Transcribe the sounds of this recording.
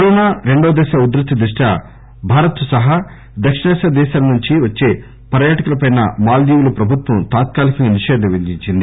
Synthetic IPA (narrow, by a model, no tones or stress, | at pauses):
kkɐɾɔːnaːɾe̞ɳɖoːd̪ɛːʃaːud̪ɾɐt̪ːɐd̪ɾiʂʈɐ | bʱaːɾɐt̪sɐɦa | d̪ɐkʂɐnɛːsɐd̪ɛːʃaːlɐnuɲt͡ʃiʋɐt͡ʃːe̞ː | pɐɾjaːʈɐkulɐpɐjnɐmaːld͡ʒ̪iːʋulɐpɾɐbʱut̪ʋɐmt̪aːt̪̚kaːlikɐŋɡɐniʃɛːd̪ʱɐʋid͡ʒiɲt͡ʃind̪i